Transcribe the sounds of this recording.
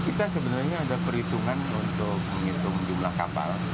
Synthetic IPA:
kit̪asəbənarɲaːdapəɾit̪uŋanunt̪ʊk̚məŋit̪ʊŋd͡ʒumlahka̰pa̰l

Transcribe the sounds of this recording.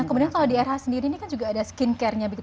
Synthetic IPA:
kəmudiankalawdiɛrhasəndiɾiːnikand͡ʒuɡaːdaskinkɛrɲabiɡit̪

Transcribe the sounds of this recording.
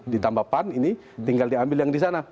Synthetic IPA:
dit̪ambapanini | t̪iŋɡaldiambiljaŋdis̬ana

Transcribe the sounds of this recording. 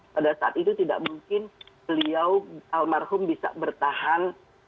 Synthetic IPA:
padasaʔa̰t̪it̪ut̪ida̰ʔmuŋkɪnbəliawalmarɦʊmbisa̰bərt̪ahan

